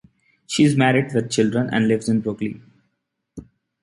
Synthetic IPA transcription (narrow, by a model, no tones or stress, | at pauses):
ʃiːɪzmæɾɪɖʋɪd̪̚t͡ʃɪlɖɾə̃nʔɛ̰̃ɳɖlɪʋzɪ̃nbɾʊklḭ̃